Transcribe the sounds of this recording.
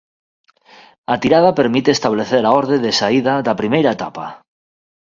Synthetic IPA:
at̪iɾað̞apeɾmit̪eːst̪aβ̞leθeɾaoɾð̞eðesaiðaðapɾimejɾaet̪apa̰

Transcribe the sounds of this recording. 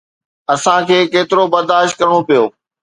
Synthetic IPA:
ɐsãkʰeːkeːt̪ɪɾobɐɾd̪aːʃt̪̚kɐɾɪɽ̃opijoː

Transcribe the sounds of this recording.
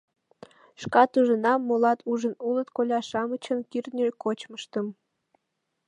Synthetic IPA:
ʃkɑt̪uʒənɑmːolɑt̪ʰuʒənulət̪kolʲɑʃɑmət͡ɕənkirnʲekot͡ɕməʃt̪əm

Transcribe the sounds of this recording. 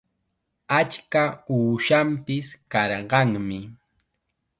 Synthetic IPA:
at͡ʃkauːʃampɪskɑɾɢɑŋmɪ

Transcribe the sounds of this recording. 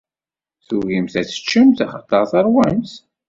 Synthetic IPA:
θʊʝimθæt͡sə̥t͡ʃːəmθæχət̪ˤːəʁθɑɾˤwæmθ

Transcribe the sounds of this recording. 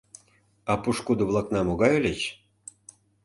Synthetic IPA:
ɑpuʃkud̪ŏβlˠɑknɑmoɣɑjølʲet͡ɕ

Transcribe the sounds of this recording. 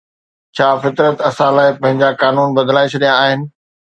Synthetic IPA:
t͡ɕʰaːfɪt̪ɾət̪ɐsãːlaːɪpɐ̃ɦɪ̃ɲd͡ʑakaːnuːnbɐd̪ʱəlaːet͡ɕʰɐɗijãaːɦɪnɪ̆

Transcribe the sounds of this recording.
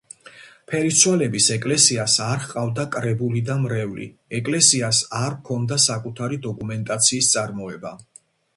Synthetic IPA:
pʰɛɾisʰwɛlɛbisɛkʼlɛsiasaɾqʼavd̪akʼɾɛbulid̪amɾɛvlḭɛkʼlɛsiasaɾkʰɔnd̪asakʼut̪ʰaɾid̪ɔkʼumɛnt̪ʼat̪sʰiːst̪sʼaɾmɔɛba

